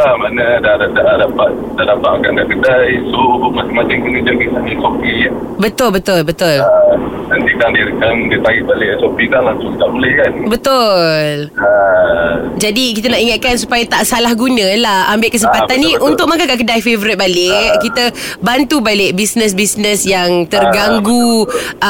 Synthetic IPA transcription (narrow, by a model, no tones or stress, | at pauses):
lahmanədahdaʔdaʔdapat̪̚dahdapat̪̚akanɡaʔkədajsomasamasaŋkənid͡ʒakisanisopi | bət̪ʊlbət̪ʊlbət̪ʊlnant̪ik̪aŋdiəkaŋdiət̪aiʔ̚balɪʔsopikaŋlaŋsʊŋidaʔbuləhkanbət̪ʊlə | d͡ʒadikit̪ənaʔiŋat̪̚kansupajat̪aʔsalahɡunə̃lahambɪʔkəs̬əmpat̪anːĩʔunt̪ʊk̚makakaʔkədajfevəɾit̪̚balɪkit̪əbant̪ubalɪʔ̚bisnəs̬bisnəsjaŋt̪ərɡaŋɡu